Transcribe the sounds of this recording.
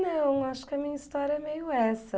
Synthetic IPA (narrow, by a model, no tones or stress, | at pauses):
nɐ̃w̃aʃʊ̥kɪɐmĩɲɐist̪ɔɾjɐɛmejʊɛsɐ